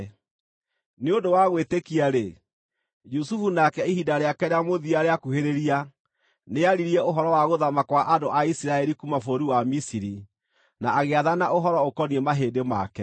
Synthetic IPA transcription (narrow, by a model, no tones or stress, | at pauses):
neondowaɣwetekiaɾe | d͡ʒusufunakɛihidaɾeakɛɾeamoðiaɾeakuheɾeɾia | neaɾiɾiɛoɦɔɾɔwaɣoðamakwaʔadoʔaisiɾaɛɾikumafoɾiwamisiɾi | naːɣeaðanaʔoɦɔɾɔokɔniɛmaɦedema̰kɛ